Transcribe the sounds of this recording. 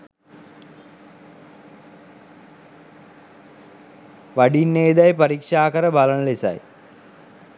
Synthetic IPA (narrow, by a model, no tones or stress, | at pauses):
ʋaɖinːeːd̪ajpɐɾikʂaːkəɾəbalənəlesa̰j